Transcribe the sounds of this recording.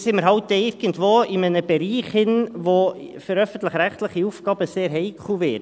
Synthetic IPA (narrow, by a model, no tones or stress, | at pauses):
sɪməɾɦɑʊtːɛɪɾɡ̥əntʋoːɪmənəbɛɾiːχhɪnʋofyɾœfən̩t̪ləχɾæχt̪ləχiufkɑːb̥əseːɾɦɛɪkχluʋɪ